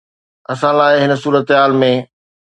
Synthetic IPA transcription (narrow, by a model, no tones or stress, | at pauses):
ɐsãlaːɪɦɪnə̆suːɾət̪ɦaːlmẽ